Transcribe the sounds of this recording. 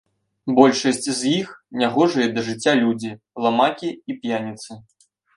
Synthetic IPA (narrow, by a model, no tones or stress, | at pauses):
bɔlʲʂɐsʲt͡sʲzjixnʲaɣɔʐɨjɛd̪ɐʐɨt͡sʲːalʲud͡zʲi | lˠamakʲiipjanʲit̪sɨ